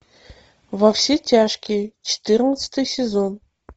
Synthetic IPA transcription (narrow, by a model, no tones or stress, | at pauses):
vɐfsʲetʲaʂkʲijt͡ɕɪ̥t̪ɨrnət̪sə̥t̪ɨjsʲɪzon